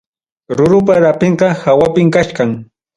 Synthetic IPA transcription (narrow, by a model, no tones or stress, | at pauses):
ɾʊɾʊp̬aɾapeɴqɑhawapɪmkaʃkaŋ